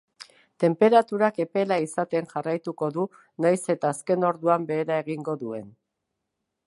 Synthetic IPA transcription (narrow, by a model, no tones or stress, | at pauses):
t̪e̞mpe̞ɾat̪uɾake̞pe̞laisat̪e̞nʝarajt̪uko̞ðu | najse̞t̪aːske̞no̞ɾðuambe̞ːɾae̞ɣ̞iŋɡo̞ðue̞n